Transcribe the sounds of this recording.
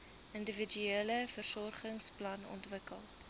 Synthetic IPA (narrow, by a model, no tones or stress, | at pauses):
əndəvid͡ʒyeːləfərsɔrχəŋsplɐnɔ̰ntvəkəlˠ